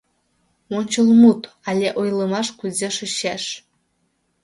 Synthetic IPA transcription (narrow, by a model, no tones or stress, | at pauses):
monʲt͡ɕəlˠmut̪ | ɑlʲeʔojlˠɤ̆mɑʂkuzʲeʂɨ̆ɕeʂ